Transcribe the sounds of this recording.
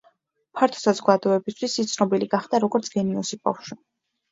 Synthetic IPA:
pʰaɾt̪ʰɔ̥sazɔɡad̪ɔɛbist̪ʰwisit̪sʰnɔbiliɡaχd̪aɾɔɡɔɾt̪sʰɡ̥ɛniɔsiba̰fʃwi

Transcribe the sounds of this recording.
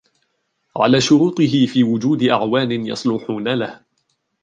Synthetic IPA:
ʕa̰laːʃʊɾuːt̪ˤɨɦɪfiːwʊd͡ʒuːd̪ɪʔa̰ʕwaːnɪnjɑ̰sˤlʊħuːnalah

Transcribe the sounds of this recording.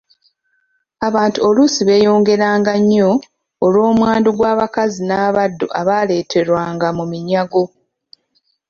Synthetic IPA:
aβaːntuo̞lusiβe̞ːjo̞ːŋɡe̞ɾaːŋɡaɲːo̞ː | lwo̞ːmwaːnduɡwaːβakazinaːβadːo̰ʔaβaːle̞ːtʰe̞ɾwaːŋɡamumiɲaɡo̞

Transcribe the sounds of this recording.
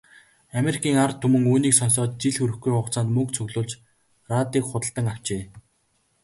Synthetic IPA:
ameɾikʰiːŋart̪ʰːɵmɵ̆ŋuːniːksɔns̬ɔːt̪̚t͡ɕiɮxɵɾɘ̆xɡujχʊχt͡saːnt̪mɵk̚t͡sʰɵɣɮʊːɮt͡ɕ | rat̪iːkχʊt̪ə̆ɮt̪ə̆ŋaw̥t͡ɕeː

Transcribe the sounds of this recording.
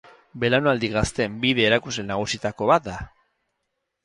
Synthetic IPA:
be̞lanoald̪iɣast̪e̞mbiðe̞ːɾakuzlenaɣ̞usit̪ako̞βat̪̚d̪a

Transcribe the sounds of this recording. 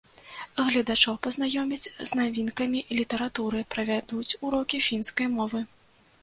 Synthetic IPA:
ɣlʲɐd̪at͡ʂɔwpɐznajɔmʲit͡sʲznavʲinkɐmʲilʲit̪ɐɾat̪uɾɨpɾɐvʲad̪ut͡sʲuɾɔkʲifʲinskɐjmɔvɨ

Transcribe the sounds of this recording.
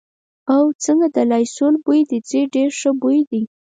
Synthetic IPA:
awt͡səŋɡad̪əlɑjsolbujd̪id͡zeɖeɾʂəbojd̪i

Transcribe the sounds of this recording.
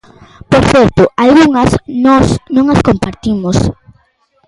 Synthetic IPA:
poɾθɛɾt̪ʊalɣuŋɐsnɔsnõŋɐskompaɾt̪imʊs

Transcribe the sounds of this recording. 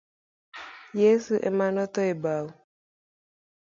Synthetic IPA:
jesuʔemanɔt̪ɔebaw

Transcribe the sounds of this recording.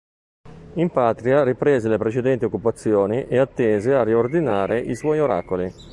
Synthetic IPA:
impaːt̪ɾiaripɾeːzelepɾet͡ʃed̪ɛnt̪iokːupat̪sːjɔːniʔeat̪ːeːzearːiord̪inaːɾʔeʔiswɔjoɾa̰ːkoli

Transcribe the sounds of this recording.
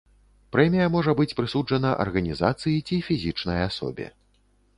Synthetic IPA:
pɾɛmʲijɐmɔʐɐbɨt͡sʲpɾɨsud͡ʐɐnɐʔɐ̰rɣɐnʲizat̪sɨjit͡sʲifʲizʲit͡ʂnɐjasɔ̰bʲɛ̰

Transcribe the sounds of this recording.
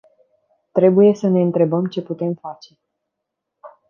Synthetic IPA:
t̪ɾe̞buje̞səne̞ɨnt̪ɾe̞bəmt͡ʃe̞put̪e̞mfat͡ʃe̞

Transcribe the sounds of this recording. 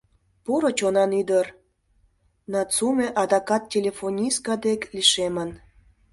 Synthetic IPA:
poɾot͡ɕonɑnyd̪ər | nɑt͡sumʲeʔɑd̪ɑkɑt̪̚tʲːelʲefonʲiskɑd̪ekliʃemən

